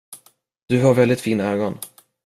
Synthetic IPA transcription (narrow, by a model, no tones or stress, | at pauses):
d̪̥ɵhaɾvɛld̪ɪt̪fiːnaøːɡɔn